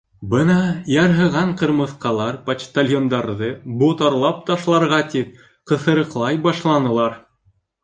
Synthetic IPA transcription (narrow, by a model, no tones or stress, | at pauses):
bɤnɑjɑɾɦɤ̆ʁɑɴqɤ̆ɾmɤ̆θqɑlˠɑɾpɐt͡ʃt̪alʲjond̪ɑɾðɤbut̪ɑɾlˠɑp̚t̪ɑʃlˠɑɾʁɑt̪ip̚ | qɤ̆θɤ̆ɾɤ̆qlˠɑjbɑʃlˠɑnɤ̆lˠɑɾ